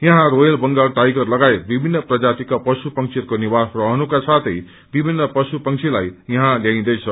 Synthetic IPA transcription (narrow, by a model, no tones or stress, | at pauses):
jʌɦãɾojʌlbʌŋɡaɽʈajɡʌrlʌɡajebibʱinːʌprʌd͡zat̪ikapʌsupʌŋsʰirkonibasrʌɦnukasat̪ʰʌj | bibʱinːʌpʌsupʌŋt͡sʰilajjʌɦãljaĩd̪ʌjt͡sʰʌ